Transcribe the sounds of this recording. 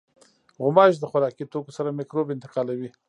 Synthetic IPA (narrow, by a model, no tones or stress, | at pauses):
ɣʊmɑʒd̪əxaɾɑkit̪okosaɾamɪkɾobɪnt̪ɪ̥qɑlawi